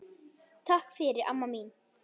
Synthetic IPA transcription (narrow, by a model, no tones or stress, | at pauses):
t̪ʰakːfeːɾɪʔa̰mːamiːn